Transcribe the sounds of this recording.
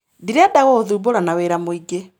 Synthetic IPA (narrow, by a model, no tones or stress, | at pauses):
diɾeadaɣɔoðuːboɾanaweːɾamoiɡe